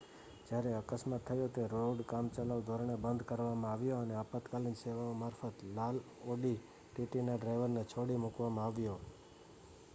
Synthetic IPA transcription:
d͡ʒjaɾeəkəsmat̪ʰːəjot̪eɾoɖkamt͡ʃəlaʋd̪ʱoɾəɳebənd̪ʱkəɾʋamãaʋjoəneəpət̪kalinseʋaomaɾfət̪lal | oɖi | ʈiʈinaɖɾajʋəɾnet͡ʃʰoɽimʊkʋamãaʋjo

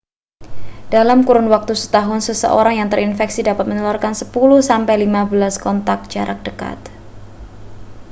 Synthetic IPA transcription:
d̥alamkuɾʊnwak̚t̪usə̥t̪aɦʊnsəsə̰ʔo̰ɾaŋjaŋt̪ərʔinfɛksidapat̪̚mənɔlarkansəpuluhsampajlimabəlaskɔnt̪ak̚d͡ʒaɾak̚d̥əka̰t̪

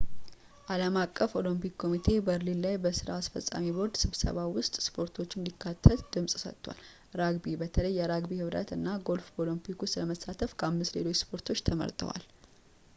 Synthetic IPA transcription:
ʔaləmakʼːəfo̞limpikkʰːo̞mit̪ʰe̞bəɾlinlajbəsɨɾa̰ːsfə̰sʼa̰mibo̞ɾd̪sɨβsə̰βawʊst̪ʼspʰo̞ɾt̪ʰo̞t͡ʃːɪɨnd̪ikʰːat̪ʰːət̪d̪̥ɨmsʼsə̰t̪ːwa̰l | ɾaɡbibət̪ʰələjːɛɾaɡbihɨβɾə̰t̪ɨnːaɡo̞lfo̞limpʰikʊst̪ləməsat̪ʰəfkʰəamːɨst̪le̞̰lo̞t͡ʃːspʰo̞ɾt̪ʰo̞t͡ʃːt̪ʰəmə̰ɾt̪ʼə̰wa̰l

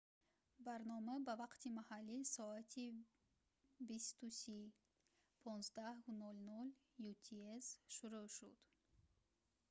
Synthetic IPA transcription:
baɾnɔmabavaqt̪ʰimahalːisɔat̪ʰi | bist̪usi | pʰɔnzd̪ahunɔlnɔl | jut̪ʰiesʃuɾuʃud̪̥

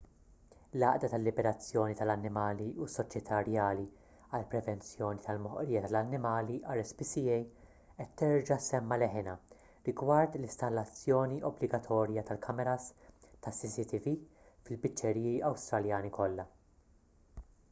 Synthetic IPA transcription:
lɐːʔd̪ɐt̪ɐlːɪbɛɾɐt͡sːjɔːnit̪ɐlɐnːɪmɐːliusːɔt͡ʃjɛt̪ʰɐɾjɐːli | ɐlpɾɛvɛnt͡sjɔːnit̪ɐlmɔħɔ̰ʔɾiːjɐt̪ɐlɐnːɪmɐːliʔɐɾɛspisiɛj | ʔɛt̪ːɛɾd͡ʒɐsɛmːɐlɛħɪnɐ | ɾɪɡwɐɾt̪lɪst̪ɐlːɐt͡sːjɔːniʔɔblɪɡɐt̪ʰɔːɾjɐt̪ɐlkʰɐmɛɾɐst̪ɐsːisit̪ivi | fɪlbɪt͡ʃːɛɾiːjiɐwst̪ɾɐljɐːnikɔlːɐ

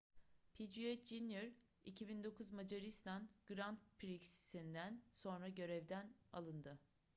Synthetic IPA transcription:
pʰid͡ʒiɛt̪d͡ʒinjoɾ | icʰibind̪o̞kʰuzmad͡ʒaɾist̪ʰanɡ̥ɾant̪̚pʰɾikssind̪ænso̞nɾaɟø̞ɾɛvd̪æna̰lˠɯnd̪ɯ

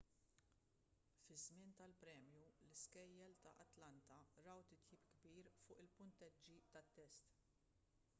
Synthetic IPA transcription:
fɪzmɪnt̪ɐlpɾɛːmjulɪskɛjːɛlt̪ɐ̰ʔɐt̪lɐnt̪ɐɾɐwt̪ɪt̪jiːpɡbiːɾfʊːʔɪlpʊnt̪ɛd͡ʒːit̪ɐt̪ːɛst̪

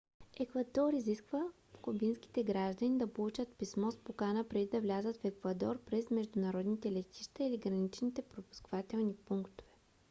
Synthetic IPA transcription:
ɛkvɐd̪ɔɾiziskvə | fkobinsk̟i̥t̪ɛɡɾaʒd̪ənid̪ɐpolˠut͡ʃət̪pismɔspokanəpɾɛd̪id̪ɐvlʲazət̪fɛkvɐd̪ɔɾpɾɛsmɛʒd̪ʊnɐɾɔd̪nit̪ɛlɛt̪ʲiʃt̪ɐiliɡɾɐnit͡ʃnit̪ɛpɾopu̥skvat̪ɛlˠnipuŋkt̪o̥vɛ̥

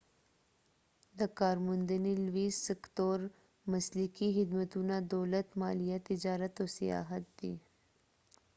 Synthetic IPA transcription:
d̪ɐkaːɾmʊnd̪ənilwiːsəkt̪oːɾ | mɐslɪkiɦɪd̪mət̪unad̪oːlət̪maːlijat̪ɪd͡ʒaːɾət̪oːsija̰ːɦət̪̚d̪ḭː

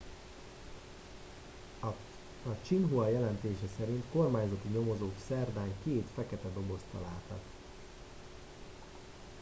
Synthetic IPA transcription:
ɒt͡ʃinɦuɒjɛlɛnt̪eːʃɛsɛɾint̪ko̞rmaːɲzɒt̪iɲo̞mo̞zoːksɛrd̪aːŋkeːt̪fɛkɛt̪ɛd̪o̞bo̞st̪ɒ̰laːt̪ɒ̰t̪

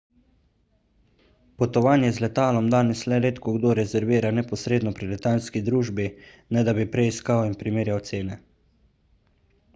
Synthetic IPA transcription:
pɔt̪ɔʋaːnjɛzlɛt̪aːlɔmd̪aːnɛslɛleːt̪kɔɡd̪oːɾɛzɛɾʋiːɾanɛpɔsɾeːd̪nɔpɾilɛt̪aːlskid̪ɾuːʒbi | nɛd̪abipɾɛiskawinpɾimeːɾjawt̪seːnɛ

